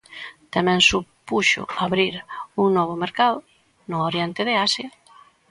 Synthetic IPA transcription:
t̪amɛ̃ŋsupuʃʊ̰aβɾiɾuŋnɔβ̞ʊmeɾkaðʊ | nʊoɾjɛnt̪ɪðeasja

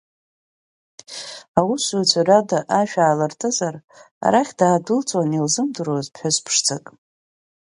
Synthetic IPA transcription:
awusut͡sʷʰaradaʔaʃᶣaːlartʰʼɨzar | a̰ɾaχʲdaːdɨlt͡sʷʼwanilzɨmdɨɾozpʰħazpʰʂt͡sʰakʼ

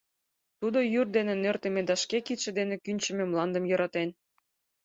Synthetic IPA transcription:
t̪ud̪ojyrd̪enenørt̪ə̆med̪ɑʃkekit̪ʃĕd̪enĕkynʲt͡ɕə̆memlɑnd̪əmjɤ̆ɾɑt̪en

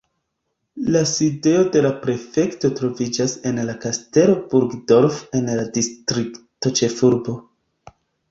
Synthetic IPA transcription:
laside̞o̞de̞lapɾe̞fe̞kto̞tɾo̞vid͡ʒase̞nlakaste̞ɾo̞buɾɡdo̞ɾfe̞nladistɾikto̞t͡ʃe̞fuɾbo̞

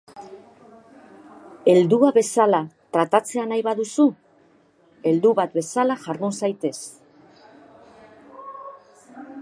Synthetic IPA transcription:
e̞ld̪uaβe̞salat̪ɾat̪at͡se̞anajβaðusu | e̞ld̪uβat̪be̞salaʝaɾðunsajt̪e̞s

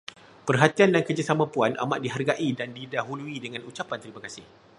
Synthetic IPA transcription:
pərɦat̪iandankərd͡ʒasamãpuana̰ma̰ʔ̚diɦarɡaʔidandidaɦuluidəŋãnut͡ʃapant̪əɾimãkasɪh

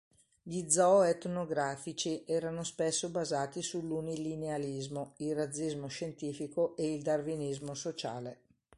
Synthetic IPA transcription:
ʎid̪zɔet̪noɡɾaːfit͡ʃiʔɛːɾanospesːobazaːt̪isulːunilinealizmoilrad̪zːizmoʃent̪iːfikoʔeild̪arvinizmosot͡ʃa̰ːle

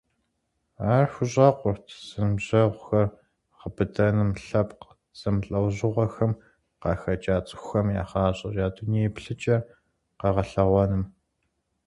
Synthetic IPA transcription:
aːrxʷʊʑʼɐqʷʊrtʰsɨmʑɐʁʷʊxɐr | ʁəbɨdɐnɨmɬɐpq | z̥ɐmɬʼɐwʑɪʁʷɐxɐm | qɑːxɐt͡ʃʼaːt͡sʼɪ̥xʷxɐmja̰ːχɑːɕʼɐʒaːdunijepɬɨt͡ʃʼɐ | qɐʁɐɬɐʁʷɔnɨm

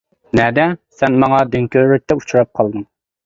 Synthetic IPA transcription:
nɛd̪ɛsɛnmɑŋɑd̪yŋkʲøɾɾyk̚ʲt̪ɛut͡ʃʰuɾɑp̚qʰɑlˠd̪ɨŋ

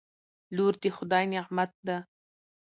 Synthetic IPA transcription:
luːɾd̪ixʊd̪ɑːjnɪʁmat̪̚d̪a

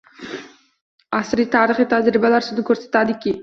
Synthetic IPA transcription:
ɑsɾiːt̪ʰɑːɾiχiːt̪ʰad͡ʒɾibɑlˠɑɾsøzd̪ukʰøɾse̥t̪ad̪iki

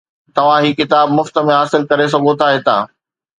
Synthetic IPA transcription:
t̪ɐʋ̤ãɦiːkɪt̪aːbmʊft̪əmẽɦaːsɪlkɐɾes̬ɐɡʱot̪ʰaɦet̪ãː

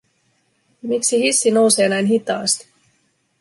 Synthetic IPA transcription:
miksihisːino̞wse̞ːnæjnɦit̪ɑːst̪i̥

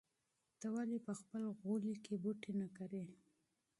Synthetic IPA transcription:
t̪əwalipəxpəlɣolikebuʈenakaɾe

